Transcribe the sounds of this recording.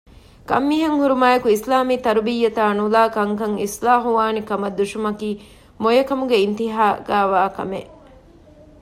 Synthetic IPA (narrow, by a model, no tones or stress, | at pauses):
kɐ̰mːiːɦɐŋhuɾumaːjɐkuislaːmiːt̪ɐɾubijːɐt̪aːnulaːkɐŋkɐŋislaːɦuʋaːnikɐmɐd̪ːuʃumɐkiː | mojɐkɐmuɡeint̪iɦaːɡ̥æːʋaːkɐ̰meʔ